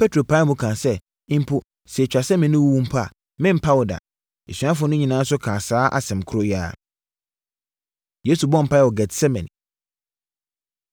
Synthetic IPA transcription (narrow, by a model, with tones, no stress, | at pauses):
pɛ˦tʰɾo˨pʰa˦mũ˦kʰãː˨sɛ˦ | ɪ̃˦m̩˦pʰʊ˦ | sɛ˨t͡ɕᶣa˨sɛ˦mɛ̃˨nɪ̃˦wu˦wũ˦m̩˦pʰa˦˨ | mɪ̃˦m̩˨pʰa˦wɔ˨da̰˨ | e˨sɥã˦f̬ʊ˦nʊ̃˦ɲĩ˨nãː˨˦sʊ˦kʰãː˨saː˦ʔa̰˨sɛ̃˨mkʰʊ˦ɾʊ˦ja˦˨ | je˨˦su˨bɔ̃˦m̩˨pʰa˦ɛ˨ɔ˨ɡɛ˨tsɛ˦mɛ̰̃˨n